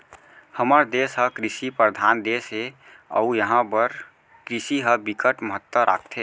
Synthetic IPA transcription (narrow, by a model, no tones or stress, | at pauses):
həməɾd̪eːsɦəkɾisipɾəd̪ʱaːnd̪eːsɦe | ə̰ujəɦãbəɾ | kɾisiɦəbikəʈməɦət̪ːwəɾa̰ːkʰt̪ʰɦeː